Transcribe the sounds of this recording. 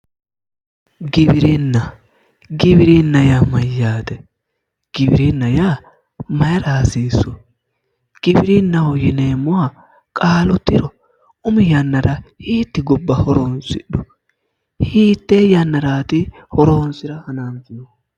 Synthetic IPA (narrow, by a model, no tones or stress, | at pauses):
ɡɪbɪɾɪnːɐ | ɡɪbɪɾɪnːɐjamɐjːaːt̪ɛ | ɡ̥ɪbɪɾɪnːɐjaː | mɐjɐɾaːsiːsːʊ | ɡ̥ɪbɪɾɪnːɐwɔjɪneːmːɔa | kʼaːlʊt̪ːɪɾɔ | ʊmɪjɐnːɐɾahiːt̪ːɪɡʊbːɐhɔɾoːnsɪ̰ɗːʊ | hiːt̪ːeːjɐnːɐɾaːt̪ɪ | hɔɾoːnsɪɾɐhɐnaːnfʊjɔ